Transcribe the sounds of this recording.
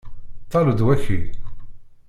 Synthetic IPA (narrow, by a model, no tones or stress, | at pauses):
t̪ˤːɑləd̪wæçḭ